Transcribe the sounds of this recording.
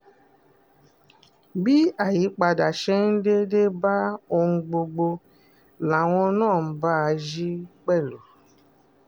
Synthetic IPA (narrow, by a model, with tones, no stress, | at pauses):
bi˦a˦˨ji˨˦k͡pa˧da˨ʃɛ˦n̩˦de˦de˦ba˦o˧ŋũ˧ɡ͡bo˧ɡ͡bo˧ | la˨w̃ɔ̃˧nãː˦˨n̩˦ba˦˧ʒi˦k͡pɛ˦˨lo˨